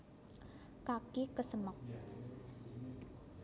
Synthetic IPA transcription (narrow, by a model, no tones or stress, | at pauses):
kakikəsəmək̚